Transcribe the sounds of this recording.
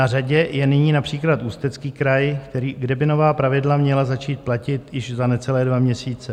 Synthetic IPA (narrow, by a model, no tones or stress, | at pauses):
araɟɛjɛnɪɲiːnapr̝̥iːklat̪ʔuːst̪ɛt͡skiːkɾajkt̪ɛɾiːɡdɛbɪno̞vaːpɾavɪdlamɲɛlazat͡ʃiːt̪̚placɪt̪jɪʒzanɛt͡sɛlɛːdvamɲɛsiːt͡sɛ